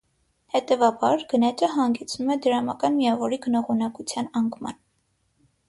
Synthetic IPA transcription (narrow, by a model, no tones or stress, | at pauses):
hɛt̪ɛvɑbɑɾɡ̥ənɛt͡ʃəɦɑŋɡɛt͡sʰnumɛd̪əɾɑmɑ̰kɑnmijɑvɔɾiɡənɔʁunɑkut͡sʰjɑnɑŋkʰmɑ̰n